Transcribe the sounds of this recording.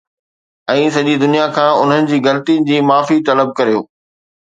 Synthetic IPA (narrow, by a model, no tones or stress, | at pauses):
ɛ̃ːsɐʄid̪ʊnijakʰãːʊn̤ənɪ̆d͡ʑiːɣɐlət̪inɪ̆d͡ʑiːmaːfit̪ɐləb̚kɐɾijoː